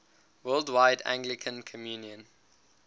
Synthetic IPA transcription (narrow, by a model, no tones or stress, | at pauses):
wɜldwaɪdæ̰̃ŋɡlɪkʰə̃nkʰɔmjuːnjə̃n